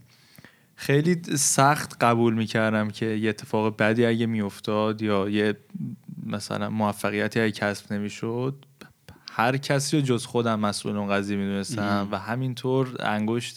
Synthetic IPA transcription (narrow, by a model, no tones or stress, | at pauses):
xe̞jliːsæχt̪ʰɢæbuːlmiːcʰæɾd̪æmcʰe̞jeːt̪ʰːe̞fɒːɣebæd̪iːæɟemijo̞ft̪ʰɒːd̪jɒːje | mæsæ̰lænmoæfːæɣijæt̪ʰiːæɟecʰæsbne̞miːʃod̪̥̚ | hæɾcʰæsiːɾod͡ʒozxo̞d̪æmːæsʔṵlonɡæzijemiːd̪unest̪æmvæɦæmint̪ʰoɾæ̰ŋɡoʃt̪